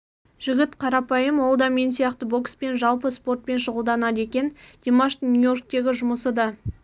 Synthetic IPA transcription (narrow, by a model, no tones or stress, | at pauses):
ʒ̥ɪɡʲɪt̪qʰɑɾɑpɑjəmwo̞lˠd̪ɑme̞nsijɑqt̪əbo̞kspe̞nʒɑlˠpəspo̞rt̪̚pe̞nʃʊʁəlˠd̪ɑnɑd̪e̞kʲe̞nd̪̥emaʃt̪nʲujo̞rk̚t̪e̞ɡʲɪʒʊməsəd̪ɑ